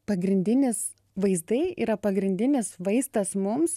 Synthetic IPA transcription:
pɐɡɾʲɪnʲd̪ʲɪnʲɪs | ʋɐɪzd̪ɐɪḭːɾɐpɐɡɾʲɪnʲd̪ʲɪnʲɪsʋɐɪst̪ɐsmʊms

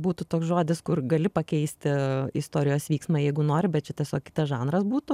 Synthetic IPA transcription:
buːt̪ʊt̪oːksʒoːd̪ʲɪskʊrɡɐlʲɪpɐkʲɛɪsʲt̪ʲɪɪst̪oːɾʲɪjoːsʋʲiːksmɑːjɛɪɡʊnoːɾʲɪbʲɛt̪̚t͡ʃʲɛt̪ʲiɛsʲoːkʲkʲɪ̥t̪ɐsʒɑːnɾɐsbuːt̪ʊ

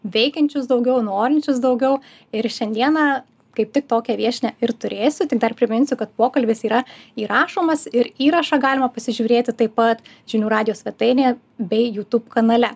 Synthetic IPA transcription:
ʋʲɛɪkʲɛnʲt͡ʃʲʊsd̪ɒʊɡʲɛʊnoːɾʲɪnʲt͡ʃʲʊsd̪ɐʊɡʲɛʊ | ɪɾʃʲɛnʲd̪ʲiɛnɐ | kɐɪp̚t̪ʲɪk̚t̪oːkʲɛʋʲiɛʃʲnʲɛɪɾt̪ʊɾʲeːsʲʊt̪ʲɪk̚d̪ɐrpʲɾʲɪmʲɪnʲsʲʊkɐt̪poːkɐlʲbʲesiːɾɐiːɾɑːʃoːmɐsɪɾiːɾɐʃɑɡɑːlʲɪmɐpɐsʲɪʒʲuːɾʲeːt̪ʲɪt̪ɐɪpːɐt̪ | ʒʲɪnʲuːɾɑːd̪ʲɪjoːsʲʋʲɛt̪ɐɪnʲeː | bʲɛɪjuːt̪uːpkɐnɐlʲɛ

